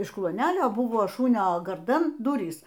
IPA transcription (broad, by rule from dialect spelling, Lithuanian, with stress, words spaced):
ɪʃ klˠuɔˈnʲæːlʲoː ˈbʊʋoː ˈʃʊnʲoː ɡɐrˈdɐn ˈdʊrʲiːs